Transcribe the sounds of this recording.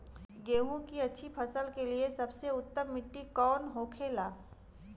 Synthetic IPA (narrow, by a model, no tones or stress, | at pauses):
ɡeːwũkiɐtːʃʰipʰɐsəlkeliesɐbseʊt̪ːəmːɪʈːikɔːnɦoːkʰeːlaː